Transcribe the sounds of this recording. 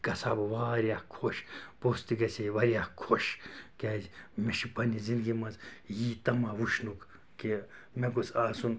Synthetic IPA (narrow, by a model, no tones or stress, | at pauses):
kɐsabʋaːɾakʰoʃpost̪iɡɐsʰeʋɐɾjakʰoʃkʲɛzmeʃipɐnizind̪ɡimɐzjiːt̪ɐmaʋuʃnuk | ki | mekusaːsun